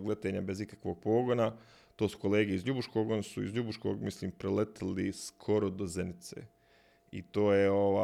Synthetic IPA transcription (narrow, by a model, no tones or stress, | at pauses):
ɡle̞t̪eːɲabe̞zikakʋo̞ːɡ̚po̞ːɡona | t̪oːsu̥ko̞leːɡeizʎubuʃko̞ːɡonasuḭzʎubuʃkoːɡmisliːmpɾelet̪aliskʰo̞ɾod̪ozenit̪sḛ | ḭt̪oːjeoʋa